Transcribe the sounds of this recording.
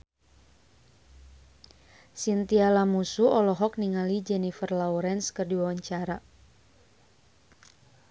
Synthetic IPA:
sint̪ialamusuʔɔlɔɦɔk̚niŋalid͡ʒɛnifərlauɾɛnskɨrdiwawaɲt͡ʃaɾa

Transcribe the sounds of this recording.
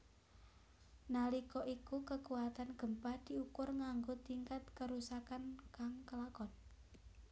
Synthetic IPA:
nalikɔʔikukəkuwat̪anɡ̥ə̤mpahd̪̥i̤ukʊrŋaŋɡot̪iŋkat̪̚kəɾusakankaŋkəlakɔn

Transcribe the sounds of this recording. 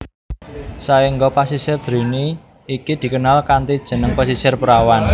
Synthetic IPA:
saiŋɡopasisɪrd̪̥ɾiniː | kid̪̥i̤kənalkant̪id̥ʒ̥ə̤nəŋpas̬isɪrpəɾawan

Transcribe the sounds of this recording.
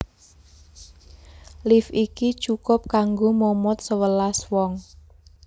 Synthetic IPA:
lifikit͡ʃukʊp̚kaŋɡomomɔt̪̚səwəlaswɔŋ

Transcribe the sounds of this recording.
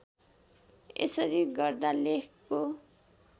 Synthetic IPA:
ḛsʌɾiɡʌrd̪alekʰkːo

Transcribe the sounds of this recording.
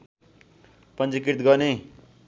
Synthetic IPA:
pʌnd͡zʌkiɾt̪ɡʌne

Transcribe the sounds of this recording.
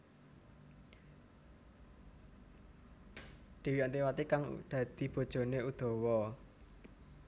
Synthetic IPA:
ɖ̪̥e̤wiant̪iwat̪ikaŋd̪̥ä̤d̪̥i̤b̥o̤d̥ʒ̥o̤neud̪̥ɔ̤wɔ

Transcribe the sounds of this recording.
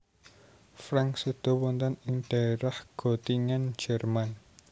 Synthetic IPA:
fɾaŋsud̪̥ɔ̤wɔnt̪ɔnɪŋd̥aeɾahɡ̥ɔ̤t̪iŋan̥d͡ʒ̥ɛrman

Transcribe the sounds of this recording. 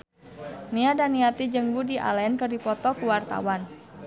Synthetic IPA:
niadaniat̪id͡ʒəŋbudiʔa̰lɛnkərdipɔt̪ɔkuwart̪a̰wan

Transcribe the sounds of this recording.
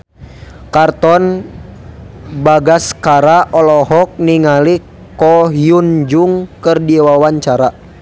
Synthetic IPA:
kart̪ɔn | baɡaskaɾaʔɔlɔɦɔk̚niŋali | kɔɦjund͡ʒuŋkɨrdiwawaɲt͡ʃaɾa

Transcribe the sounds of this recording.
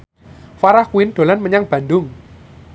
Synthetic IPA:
faɾahkuɪnɖ̪̥o̤lanməɲaŋb̥ä̤ndʊŋ

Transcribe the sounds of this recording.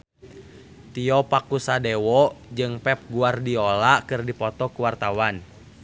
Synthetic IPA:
t̪iɔpakusadɛwɔd͡ʒɨŋpɛp̚ɡuardiɔlakɨrdipɔt̪ɔkuwart̪awan

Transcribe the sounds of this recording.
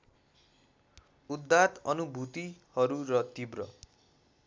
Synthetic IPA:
ud̪ːat̪ʌnubʱut̪ihʌɾuɾʌt̪ibrʌ̰

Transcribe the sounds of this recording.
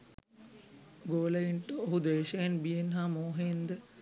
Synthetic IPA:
ɡoːlɐiɳʈooɦud̪eːʃɐjɐnbienɦamoːɦend̪ə

